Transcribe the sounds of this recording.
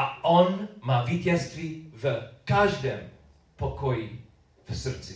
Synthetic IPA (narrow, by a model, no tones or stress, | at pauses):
aʔɔnmaːvicɛst̪vivəkaʒdɛm | pɔkɔji | vsr̩t͡si